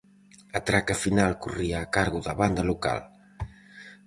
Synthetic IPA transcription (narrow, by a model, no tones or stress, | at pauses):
at̪ɾakafinalkuriaːkaɾɣuðɐβand̪ɐluka̰l